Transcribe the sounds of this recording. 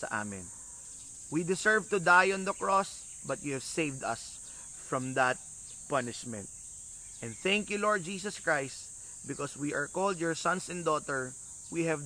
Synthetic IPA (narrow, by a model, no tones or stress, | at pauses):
sɐ̰ʔa̰mɪ̰̃n | wid̪ɪsɛɹvt̪ʊd̪ajɔ̃nd̪ɐkɹɔs | bɐt̪̚juhɛvsejvd̪ɐ̰s | fɹɔ̃md̪ɐt̪̚ | pʌnɪʃmɛ̰̃nt̪̚ | ʔɛ̃nθæ̃ŋkjulɔɹd̪̚d͡ʒiːsɐskɹajst̪ | bɪkɔswiʔaɹkold̪jɔɹsɐ̃nsɛ̃nd̪ɔt̪ɛɹ | wihɛv